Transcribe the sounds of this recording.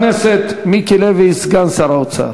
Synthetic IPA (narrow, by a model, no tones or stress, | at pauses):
nɛsɛt̪ʰmikʰɛlɛvisɡansaɾaut͡sʰa̰